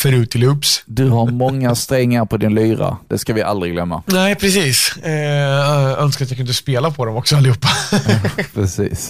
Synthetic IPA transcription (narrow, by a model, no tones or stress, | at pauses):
fœɾʉ̟ːt̪ʰːɪlɵpsd̪ɵɦaɾmɔŋːast̪ɾɛŋːaɾpʰɔd̪ɪnlyːɾa̰d̪̥ɛskavɪʔa̰ld̪ɾɪɡlœmːa̰nɛɪpʰɾɛsiːs | œnskat̪jakɵnd̪əspeːlapʰɔd̪ɛmɔksɔalɪhuːpːa | pʰɾɛsḭːs